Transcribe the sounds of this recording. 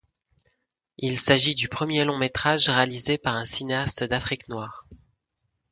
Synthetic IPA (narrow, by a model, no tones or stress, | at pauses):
ilsaʒid̪ypχəmjelɔ̃met̪χaʒʁealizepaʁɛ̃sineast̪d̪afχiknwaːʁ